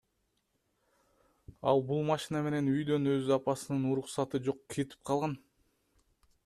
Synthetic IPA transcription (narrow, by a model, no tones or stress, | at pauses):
ɑlˠbulˠmɑʃinɑme̞ne̞nyjd̪ø̞nø̞zyɑpɑsɯnɯnuɾuqsɑt̪ɯd͡ʒo̞qkʰet̪i̥p̚qʰɑlˠʁɑn